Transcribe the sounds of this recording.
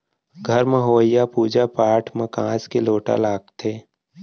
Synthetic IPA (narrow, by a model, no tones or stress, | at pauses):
ɡʱəɾmẽɦoːɪjapuːd͡ʒapaːʈʰmẽkãːskeloːʈa̰laːɡt̪ʰeː